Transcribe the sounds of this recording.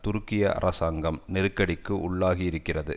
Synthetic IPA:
t̪ʊɾʊkːɪjɐʔɐ̰ɾʔɐsaːŋɡɐmnɛɾɯkːɐɽɪkːɯʊɭːaːɣiɪɾɯkːɪrɐðɯ

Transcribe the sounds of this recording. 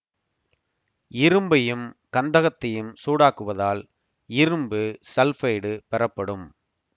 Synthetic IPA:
ɪɾɯmbɐjɯmkɐnd̪ɐɣɐt̪ːɐjɯmsuːɽaːkːɯʋɐðaːl | ɪɾɯmbɯsɛlfɐɪɽɯpɛɾɐpːɐɽɯm

